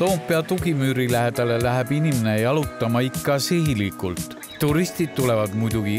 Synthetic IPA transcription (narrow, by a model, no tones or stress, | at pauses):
t̪o̞ːmpːˑeɑt̪uɡimyːɾilæɦed̪̥ɑle̞læɦeb̥inimene̞ejɑlut̪ːˑɑmɑikːɑseɦilikˑult̪ | t̪ːuɾist̪id̪̥̚t̪ule̞vɑd̪mujd̪̥uɡ̥i